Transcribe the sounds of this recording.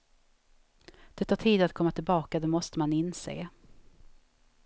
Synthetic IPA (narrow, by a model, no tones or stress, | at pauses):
d̪̥ɛt̪ʰɑːʈʰiːd̪at̪kʰɔmːat̪ʰɪlbɑːkad̪ɛmɔst̪əmanɪnsḛː